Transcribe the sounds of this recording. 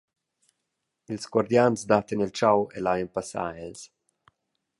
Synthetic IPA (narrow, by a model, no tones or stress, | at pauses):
ilsɡwaɾd̪janzd̪at̪enilt͡ʃawelajempasa̰ɛls